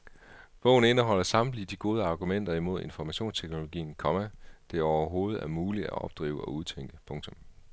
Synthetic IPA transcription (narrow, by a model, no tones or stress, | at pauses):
b̥ɔ̽ʊn̩e̝nəɦɒ̽l̰ɐsɑ̈mb̥lid̥iɡ̥o̝ːð̞ˠəɑ̈ːɡ̥umen̰d̥ɐimo̝ð̞̰ˠe̝nfɒmæɕo̝̰ːnst͡sʰeɡ̥no̝lo̝ɡ̥ḭːn̩kʰɒ̽mæd̥e̝æɐɒʊɐɦo̝ːð̞̩ˠæɐmuːlidæɒ̽b̥̚d̥ʁḭːʊəɒ̽uðˠt͡sʰeŋ̰ɡ̥əpʰɔ̽ŋt͡sʰɔ̽m